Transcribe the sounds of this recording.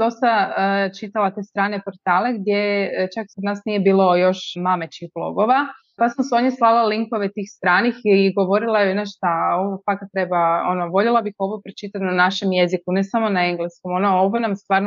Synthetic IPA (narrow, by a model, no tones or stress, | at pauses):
d̪o̞st̪aət͡ʃit̪alat̪e̞ːst̪ɾaːne̞po̞ɾt̪aːle̞ɡd̪je̞t͡ʃaksad̪naːsnije̞biːlˠo̞jo̞ʃmamet͡ʃixblˠo̞̰ɡo̞ʋa | pasmoseo̞ɲeslˠalˠaliŋko̞ʋe̞t̪iːxst̪ɾaːnixɡo̞ʋo̞ɾilˠajunaʃt̪ao̞ʋofakat̪ɾebao̞̰noʋo̞ʎelˠabixo̞ʋopɾet͡ʃit̪at̪nanaʃe̞mje̞zikune̞samo̞naeŋɡlesko̞mo̞nooʋojenamst̪ʋaːɾno